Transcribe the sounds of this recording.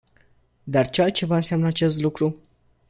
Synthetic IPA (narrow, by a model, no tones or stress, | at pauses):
d̪art͡ʃealt̪̚t͡ʃe̞vaɨnseamnəat͡ʃe̞st̪lukɾu